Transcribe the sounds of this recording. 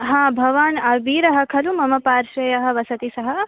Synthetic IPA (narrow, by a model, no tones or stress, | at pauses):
ɦãːbʱɐʋaːnɐʋiːɾɐɦɐ̆kʰɐlumɐmɐpaːɾʃɐjɐɦɐ̆ʋɐsɐt̪isɐɦɐ